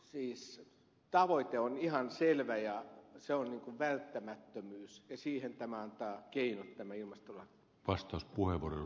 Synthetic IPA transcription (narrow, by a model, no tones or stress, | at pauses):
siːs | t̪ɑʋoit̪eonihɑnselʋæjɑseonniːŋkuʋʋælt̪ːæmæt̪ːømyːsjɑsiːhent̪æmæɑnt̪ɑːkeinot̪tæmæilmɑst̪olɑki̥ | ʋɑst̪ɑˑuspuheʋore